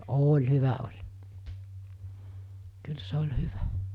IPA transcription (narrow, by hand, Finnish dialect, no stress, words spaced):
oːlʲ hyʋæ olʲ kyl se̥ olʲ hyʋæ